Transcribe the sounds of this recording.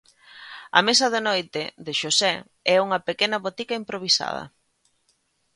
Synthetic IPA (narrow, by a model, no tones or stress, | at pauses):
ɐ̰mesɐðɪnojt̪ɪðɪʃosɛ | ɛuŋɐpekenɐβot̪ikɐimpɾoβ̞isa̰ð̞ɐ̰